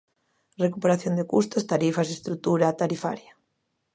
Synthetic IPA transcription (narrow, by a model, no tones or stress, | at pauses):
rekupeɾaθjond̪ekust̪ost̪aɾifasest̪ɾut̪uɾat̪aɾifa̰ɾja